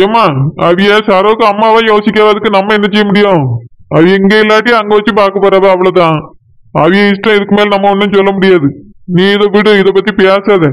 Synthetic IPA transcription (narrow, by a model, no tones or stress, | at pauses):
eːmaːɐʋɪjeːsaːɾɐʋɯkːɯɐmːaːʋãːjoːsɪkːaʋɐːðɯkːɯnɐmːɐɛnːɐt͡ʃːɛjɐmʊɽɪjõɐʋɪɛŋɡeɪlːaːʈ̬ːiɐŋɡɐʋɐt͡ʃːɯpaːɾkɐpoːɾaːðɐɐʋɐɭɐt̪ãː | ɐʋɐjeɪsʈɾɐ̃ɪðɯkːɯmeːlnɐmːɐɔnːɯnsɔlːɐmʊɽɪjaːðɯniːɪðɐʋɪɽɯɪðɐpːɐt̪ːipɪjaːsaːðɛ